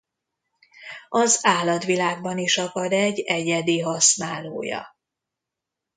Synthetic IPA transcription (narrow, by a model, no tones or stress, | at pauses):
ɒzaːlɒt̪ʋilaːɡ̚bɒniʃɒkɒd̪ɛɟːɛɟɛd̪iɦɒsnaːloːjɒ̰